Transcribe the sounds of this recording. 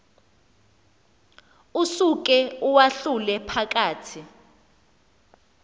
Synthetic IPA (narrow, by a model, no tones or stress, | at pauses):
usuk̬ʼɛuwaɬulɛpʰak̬ʼaːtʰi